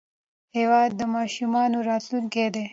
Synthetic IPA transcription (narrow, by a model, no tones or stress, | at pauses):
heːwɑːd̪ːəmɑːʃumɑːnoɾɑːt̪lunked̪e